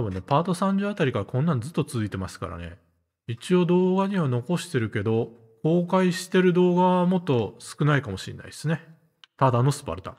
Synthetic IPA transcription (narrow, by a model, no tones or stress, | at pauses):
t̪abɯ̟̃nːe̞paːt̪o̞sãɲ̟d͡ʑɨat̪aɾʲikaɾakõnːãɲd͡zɨt̪ːot͡sɨzɨit̪e̞masɨ̥ka̰ɾa̰ne̞̰ | it͡ɕio̞d̪o̞ːɡaɲ̟iβano̞ko̞ɕi̥t̪e̞ɾɯ̟ke̞d̪o̞ | ko̞ːkaiɕi̥t̪e̞ɾɯ̟d̪o̞ːɡaβamo̞t̪ːo̞sɨ̥kɯ̟naikamo̞ɕḭ̃nːa̰iesɨne̞ | t̪ad̪ano̞sɨ̥pa̰ɾɯ̟t̪a̰